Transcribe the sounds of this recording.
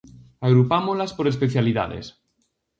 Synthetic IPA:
aɣ̞ɾupamozlaspoɾes̬peθjaliða̰ðḛs

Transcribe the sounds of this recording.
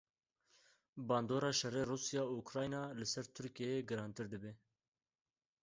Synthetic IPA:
bɑːnd̪oːɾɑːʃɛreːruːsijɑːuːkɾɑːjnɑːlɨsɛɾt̪ʰʊɾkieeːɡɨɾɑːnt̪ɨɾd̪ɨbeː

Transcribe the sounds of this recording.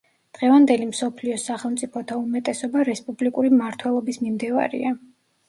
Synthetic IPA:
d̪̥ʁɛvand̪ɛlimsɔpʰliɔsaχɛlˠmt̪sʼipʰɔt̪ʰaumɛt̪ʼɛsɔbaɾɛspʼublikʼuɾimaɾt̪ʰwɛlˠɔbismimd̪ɛva̰ɾḭa

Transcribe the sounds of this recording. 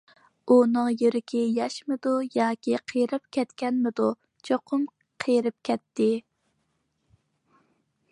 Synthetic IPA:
unɨŋjyɾɪkʲʰijɑʃmɨd̪ujɑːkʲiqʰəjɾɪp̚kʲʰɛt̪kʲɛnmɪd̪u | t͡ʃʰoqʰʊm | qʰəjɾɪp̚kʲʰɛt̪ːɪ

